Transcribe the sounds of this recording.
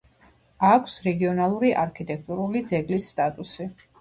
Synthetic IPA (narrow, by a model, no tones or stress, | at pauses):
akʰsɾɛɡiɔnalˠuɾiʔaɾkʰit̪ʼɛk̚ʰt̪ʼuɾulid̪zɛɡlisːt̪ʼat̪ʼusi